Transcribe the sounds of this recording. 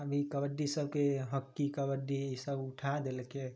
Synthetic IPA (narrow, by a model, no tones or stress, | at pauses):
əbʱikəbəɖːisəb̚ʱkeɦəkːikəbəɖiisəbʊʈʰad̪elke